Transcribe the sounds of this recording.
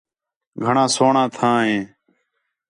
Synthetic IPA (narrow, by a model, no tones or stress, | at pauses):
ɡʱəɳãːsoːɳãːt̪ʰãːɦẽː